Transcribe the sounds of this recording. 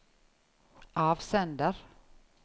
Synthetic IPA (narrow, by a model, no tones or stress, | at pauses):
ʔɑːvsɛnd̪əɾ